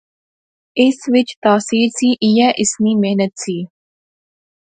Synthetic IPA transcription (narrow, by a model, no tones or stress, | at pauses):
ɪsʋɪt͡ʃt̪aːsiːɾsiːʔɪjɛːʔɪsniːmɛɦnət̪siː